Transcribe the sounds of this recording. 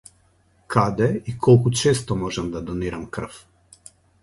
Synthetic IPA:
kʰad̪ɛikʰɔlˠkut͡ʃɛst̪ɔmɔʒɛmd̪ad̪ɔniɾamkr̩f

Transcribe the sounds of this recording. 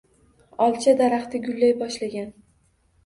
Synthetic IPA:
ɒlˠt͡ʃʰad̪aɾaχt̪ʰɪɡʲʊlːajbɒʃlaɡʲan

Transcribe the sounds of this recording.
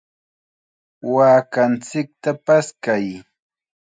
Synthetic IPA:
waːkant͡sɪk̚t̪apaskaj

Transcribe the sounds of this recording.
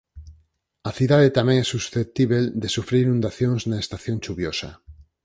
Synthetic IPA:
ɐθiðaðet̪amɛ̃ŋɛsusθet̪iβeld̪esufɾiɾinũnd̪aθjoŋznaest̪aθjoŋt͡ʃuβjosa

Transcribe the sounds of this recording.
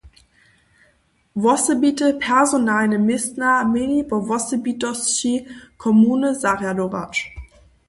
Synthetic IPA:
vɔsəbiːtəpʰɛɐzonaːnəmɪsnamɪnibɔvɔsəbitɔsʃikʰɔmuːnəzaʁjadoʁa̰t͡ʃ

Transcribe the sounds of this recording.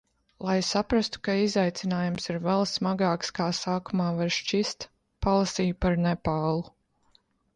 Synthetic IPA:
lˠajsapɾast̪u̥kaizajt̪sinaːjumsiɾvɛlˠsmaɡaːkskaːsaːkumaːvaɾʃt͡ʃist̪ | palˠasiːjpaɾnɛpaːlˠu

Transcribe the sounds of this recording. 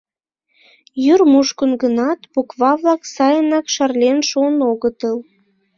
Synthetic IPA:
jyrmuʃkənɡənɑt̪bukβɑβlɑksɑjənɑkʃɑrlʲenʃuənoɣət̪əl

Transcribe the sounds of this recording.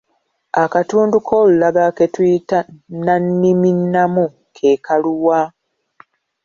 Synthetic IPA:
akatuːndukʰoːlulaɡake̞twiːtananːiminːamu | kʰe̞kʰaluwa

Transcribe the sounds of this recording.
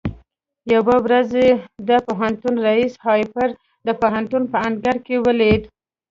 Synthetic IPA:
jawəwɾazed̪əpoɦant̪unɾaishɑjpəɾ | d̪əpoɦant̪unpəanɡaɾkewəled̪

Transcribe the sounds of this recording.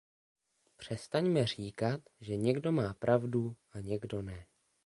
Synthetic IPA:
pr̝̥ɛst̪aɲmɛr̝iːkat̪ʒɛɲɛɡdo̞maːpɾʔavdu | aɲɛɡdo̞nɛ

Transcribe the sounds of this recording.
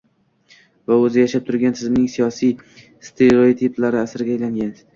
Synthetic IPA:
vaɵzɪjaʃap̚t̪ʰʊɾɡʲant̪ʰɪzɪmnɪŋsijɒsij | st̪ʰeɾot̪ʰiplaɾɪasɾɪɡʲaːjlaŋɡʲan

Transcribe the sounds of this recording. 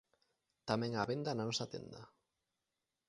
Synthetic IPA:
t̪amɛ̃ŋaβend̪anansat̪ḛnd̪a̰

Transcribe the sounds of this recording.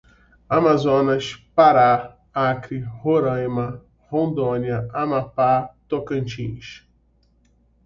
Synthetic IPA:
amazõnɐʃpaɾa | akɾihoɾɐ̃jmɐ | hõnd̪õniɐamapat̪okɐ̃nt͡ʃĩʃ

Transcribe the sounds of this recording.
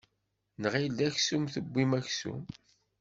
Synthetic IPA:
nʁild̪æçsumθəbʷːimæçsṵm

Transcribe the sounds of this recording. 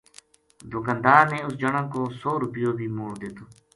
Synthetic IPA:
d̪ʊkənd̪aːɾneːʊsd͡ʒəɳãːkoːsoːɾʊpɪjoːbʱiːmoːɽd̪eːt̪oː

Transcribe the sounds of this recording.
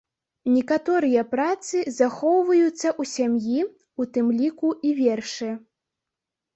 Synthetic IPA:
nʲɛkat̪ɔɾɨjɐpɾat̪sɨzaxɔwvɐjut̪sːɐʔusʲamji | ut̪ɨmlʲikuivʲɛrʂɨ

